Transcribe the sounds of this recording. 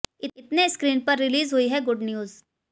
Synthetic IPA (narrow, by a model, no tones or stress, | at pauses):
ɪɪt̪neskɾiːnpɐɾːɪliːzɦʊiɦɛɡʊɖnjuːz